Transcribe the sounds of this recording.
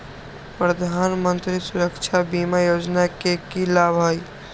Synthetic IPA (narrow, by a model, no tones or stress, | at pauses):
pɾəd̪ʱanmənt̪ɾisuɾəkt͡ʃʰabimajod͡ʒnakekilabʱəj